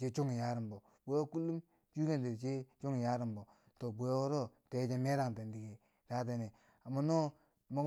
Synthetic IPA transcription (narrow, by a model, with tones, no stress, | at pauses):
t͡ʃe˦t͡ʃo˦ŋi˨ja˦ɾi˨mbo˨ | bo˦jo˦ku˦lːu˦m | t͡ʃu˦ke˦˨nde˨ɾt͡ʃe˦t͡ʃo˦ŋi˨ja˦ɾi˨mbo˨ | to˨bo˨jwɾo˦te˨˦d͡ʒe˦me˦ɾa˦˨ŋ˨ta˨ndi˨ɡe˨ | da˦t̬e˨ne˨ | a˨ma˨no˦˨ | mo˨˦